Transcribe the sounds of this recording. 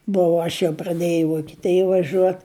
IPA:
ˈbʊʋʊ ˈɐʃ jɛʊ prɐˈdʲeːjɛʊ ɪ ʋoːkʲɪˈtʲeːjɛ ʋɐˈʒʲuɔt

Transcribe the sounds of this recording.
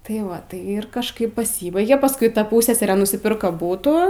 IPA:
tɐɪ ˈʋɐ tɐɪ ɪr kɐʃˈkɐɪp pɐˈsʲiːbɐɪɡʲeː pɐsˈkʊɪ ˈtɐ ˈpuːsʲsʲɛsʲɛrʲeː nʊsʲɪˈpʲɪrkɐ ˈbuːtuː

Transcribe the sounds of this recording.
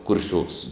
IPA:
kʊrʲˈsʲuɔks

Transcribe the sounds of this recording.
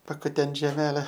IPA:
pɐkʊˈtʲɛnt ʒʲɛˈmʲæːlʲɛ

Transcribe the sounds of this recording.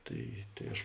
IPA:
ˈtɐɪ tɐɪ ˈɐʃ

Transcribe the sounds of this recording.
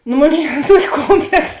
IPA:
nʊ ˈmoːˌnʲeːɪ ˈɐn ˈtuɔkʲɪ ˈkoːmʲpʲlʲɛks

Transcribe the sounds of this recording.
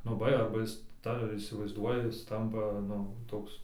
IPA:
nʊ ˈbɐ ɐrbɐ ˈjɪs tɐ iːsʲɪʋɐɪzˈduɔjɛ ˈjɪs ˈtɐmpɐ ˈnʊ ˈtoːks

